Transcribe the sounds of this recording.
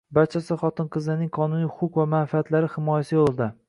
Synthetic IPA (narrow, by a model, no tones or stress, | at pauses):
baɾt͡ʃʰasɪχɒt̪ɪnqʰɨzɪnɪŋqʰɒnʊnijhʊqʰʊqvamanfiat̪laɾɪhɪmɒjasɪjolˠd̪ɪ